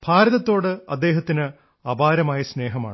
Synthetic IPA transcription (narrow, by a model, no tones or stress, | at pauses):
b̥ʱaːɾɐðɐt̪ːo̞ːɽɨɐd̪ːe̞ːɦɐt̪ːinɨ | ɐbaːɾɐmaːjɐsne̞ːɦɐma̰ːɳ